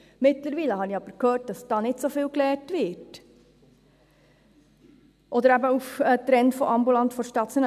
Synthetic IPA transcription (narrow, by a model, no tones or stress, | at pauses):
mɪtləɾʋiːləhɑniɑb̥əɾkʰhøːɾt̚d̥ɑsd̥ɑːnɪtsofiːlklɛːɾtʋɪt | ʔɔd̪əɾæbəufət̪ɾɛntfɔʔɑmbulɑntfɔʃtɑt͡sjon